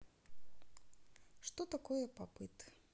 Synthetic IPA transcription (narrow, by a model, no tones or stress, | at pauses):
ʂt̪ɔt̪akɔjɛpapɨt̪